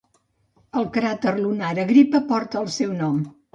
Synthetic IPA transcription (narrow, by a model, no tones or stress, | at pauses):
əlˠkɾat̪ərlunaɾəɣɾipəpɔɾt̪əːlˠsɛwnɔm